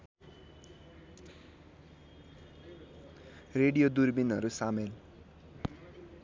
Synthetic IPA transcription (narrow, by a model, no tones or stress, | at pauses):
reɽijod̪urbinʌɾusamel